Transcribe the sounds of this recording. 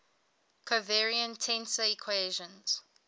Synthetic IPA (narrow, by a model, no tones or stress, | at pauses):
kʰəvɛɹiə̃ntʰɛ̃nsəikʰweʒə̃nz̥